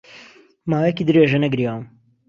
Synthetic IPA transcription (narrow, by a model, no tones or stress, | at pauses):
maːwekid̪ɨɾeʒɐnɐɡɾiawm